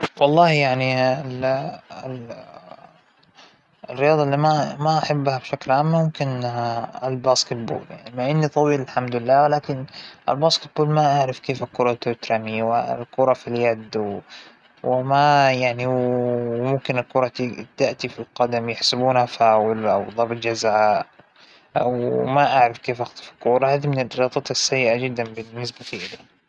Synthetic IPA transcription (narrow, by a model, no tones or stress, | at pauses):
wɑlˤːɑːhjaʕniɪl | rːɪjɑːd̪ˤɑlːimamaʔaħabːhabʃaklʕaːmːmʊmkɪn | ɪlbaːskɪt̪̚bṵːlja̰ʕnimaʔɪnːit̪ˤɑwiːlɪlħamd̪ɪlːaːwlaːkɪnʔɪ̰lbaːskɪt̪̚buːlmaʔaʕɾɪfkeːfɪlkʊɾˤɑt̪ot̪ɾamiwɪ̰lkʊɾˤɑfiljad̪w | wɪmajaʕni | mʊmkɪnalkʊɾˤɑt̪d̪aʔt̪ifilqɑd̪amjɪħsɪbuːnhafaːwɪlʔa̰wðˤɑbt̪ˤd͡ʒazaaaːʔ | ʔa̰wmaʔaʕɾɑfkeːfʔaxt̪ˤɑ̥fɪlkuːɾˤɑhaːðimɪnalɾɑːt̪ˤɑt̪asːajːɪʔad͡ʒɪd̪ːanbɪnːɪsbat̪iʔɪli